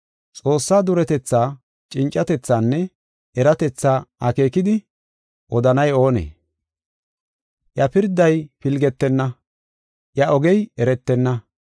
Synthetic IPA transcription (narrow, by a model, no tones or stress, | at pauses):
t͡sʼo̞ːsːaːd̪ʊɾɛt̪ɛt͡sːaː | t͡ʃʼɪnt͡ʃʼːɐt̪ɛt͡sːaːnːɛ | ɛɾɐt̪ɛt͡sːaːɐke̞ːkɪd̪ɪ | ʔɔd̪ɐnɐjo̞ːnḛː | ʔjɐpɪɾd̪ːɐjpɪlɡɛt̪ːɛnːɐ | ʔjɐʔɔɡɛjɛɾɛt̪ːɛnːɐ